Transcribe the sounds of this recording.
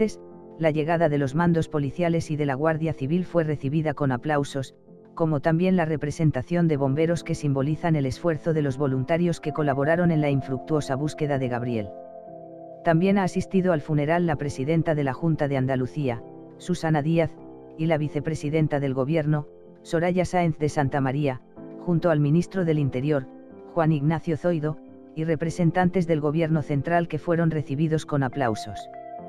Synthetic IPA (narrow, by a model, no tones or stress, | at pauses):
eslaʝe̞ɣaðaðe̞lo̞zmãnd̪o̞spo̞liθjale̞siðe̞laɣ̞waɾðjaθiβilfwe̞re̞θiβiðako̞naplawso̞s | ko̞mo̞t̪ambje̞nlare̞pɾe̞se̞nt̪aθjo̞nd̪e̞β̞o̞mbe̞ɾo̞ske̞simbo̞liθane̞le̞sfwe̞ɾθo̞ðe̞lo̞zβo̞lunt̪aɾjo̞ske̞ko̞laβo̞ɾaɾo̞ne̞nlaiɱfɾuk̚t̪uo̞saβ̞uske̞ðaðe̞ɣaβɾje̞̰l | t̪ambje̞naːsist̪iðoalfune̞ɾalːapɾe̞siðe̞nt̪aðe̞laxunt̪aðe̞and̪aluθia | susanaðiaθ | ilaβ̞iθe̞pɾe̞siðe̞nt̪aðe̞lɣo̞βje̞ɾno̞ | so̞ɾaʝasaenθðe̞sant̪amaɾia | xunt̪oalmĩnist̪ɾo̞ðe̞lint̪e̞ɾjo̞ɾ | xwaniɣnaθjo̞θo̞jðo̞ | ire̞pɾe̞se̞nt̪ant̪e̞zðe̞lɣo̞βje̞ɾno̞θe̞nt̪ɾalke̞fwe̞ɾo̞nre̞θiβiðo̞sko̞naplawso̞s